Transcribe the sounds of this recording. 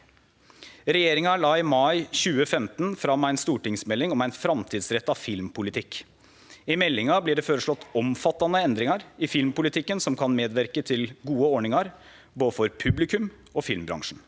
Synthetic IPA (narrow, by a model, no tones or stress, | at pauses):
ɾɛjeːɾɪŋɑɭɑːɪmɑɪɕʉːəfɛmt̪n̩fɾɑmːæɪnst̪uːʈɪŋsmɛlːɪŋɔmæɪnfɾɑmt̪ʰiːd̪sɾɛt̪ːɑʋfɪlmpʰʊlɪt̪ʰɪkː | ɪmɛlːɪŋɑblɪɖɛføːɾəʂɭɔt̪ːɔmfɑt̪ːɑnəɛnd̪ɾɪŋɑɾɪfɪlmpʊlɪt̪ʰɪkːənsɔmkʰɑnmeːd̪ʋæɾkət̪ʰɪlɡuːəɔɳɪŋɑɾ | boːd̪əfɔɾpʰʉblɪkʉm | ɔːfɪlmbɾɑ̰ŋʂɳ̩